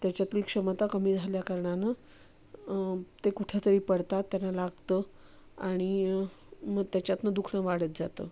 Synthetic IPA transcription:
t̪jat͡ɕjat̪ilikʂəmət̪akəmiːd͡zʱaljakəɾɳana | t̪ekuʈʰet̪əɾiːpəɽt̪at̪ːjanːalaɡt̪ə | aɽ̃i | məɡt̪jat͡ɕjat̪nəd̪ukʰɳəʋaɽət̪̚d͡zat̪ə̰

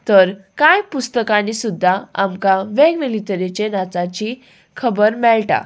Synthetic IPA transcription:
t̪əɾkãjpust̪əkanisud̪ʱːaa̰mkaʋɛɡʋilit̪əɾet͡ɕenat͡sat͡ɕi | kʰəbəɾmɛɭʈa̰

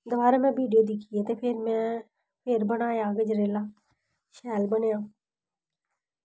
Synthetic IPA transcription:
d̪ʊʋaːɾaːmɛ̃ːbiːɖijoːd̪ikʰiːeːt̪eːpʰɪɾmɛ̃ː | pʰɪɾbənaːjãːɡed͡ʒɾeːlaː | ʃɛːlbənjãː

